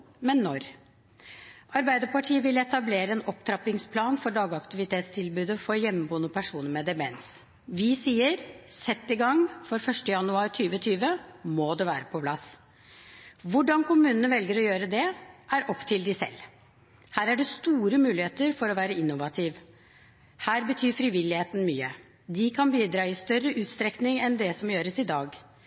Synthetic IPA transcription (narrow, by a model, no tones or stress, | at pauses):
mɛnːɔɾ | ʔɑɾbæɪd̪əpɑʈʰiːəʋɪlɛt̪ɑbleːɾəɛnɔpt̪ʰɾɑpɪŋspʰlɑːnfɔɖɑːɡɑkt̪ɪʋɪt̪ʰeːt̪st̪ʰɪlbʉːd̪əfɔɾjɛmːəbuːnəpʰæʂuːnəɾmɛd̪ɛmɛns | ʋɪsiːəɾsɛt̪ːɪɡɑŋːfɔɾfœʂʈəjɑnʉɑːɾt̪ʰyːʋət̪ʰyːʋəmod̪ɛʋæːɾəpʰɔpʰlɑs | ʋʊɖɑnkʰʊmʉːnənəʋɛlɡəɾɔjøːɾəd̪ɛʔæɾʔɔpːt̪ʰɪld̪ɪsɛ̰lː | hæːɾæɖɛst̪uːɾəmʉːlɪheːt̪əɾfɔɾɔʋæːɾəɪnːʊʋɑt̪ʰiːʋ | hæːɾbət̪ʰyːfɾɪʋɪlːɪheːt̪n̩myːə | d̪ɪkʰɑnbiːd̪ɾɑːɪst̪œrːəʔʉːt̪st̪ɾɛknɪŋɛnd̪ɛsɔmjøːɾəsɪd̪ɑːɡ